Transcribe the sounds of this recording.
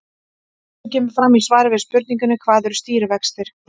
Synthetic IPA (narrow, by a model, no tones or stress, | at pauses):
cɛːmʏɾ̥fɾamːisvaːjɾɪvɪðspʏɾt̪niŋkʏnʏkʰvaːðɛɾʏst̪iːɾvɛkst̪ɪɾ̥